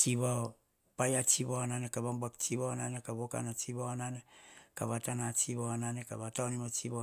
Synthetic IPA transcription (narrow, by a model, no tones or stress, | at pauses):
t͡ʃiβao | pajat͡ʃiβawananekaβambakt͡ʃiβawananekaβoka̰nat͡ʃiβawananekaβatanat͡ʃiβawananekaβatawnimat͡ʃiβa